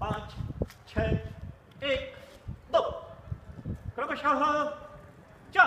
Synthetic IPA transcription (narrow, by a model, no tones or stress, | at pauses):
pãːt͡ʃt͡ʃʰɛː | eːkd̪o | kɾɐpʃɐɦ | t͡ʃa